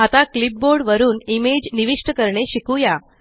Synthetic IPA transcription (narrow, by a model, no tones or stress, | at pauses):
at̪aklip̚boɾɖʋəɾuːnimed͡ʑniʋiʂʈəkəɾɳeɕikuja